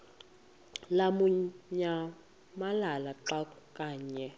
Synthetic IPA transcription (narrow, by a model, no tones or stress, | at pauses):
lamuɲa | malalaǁakʼukʼaːɲɛ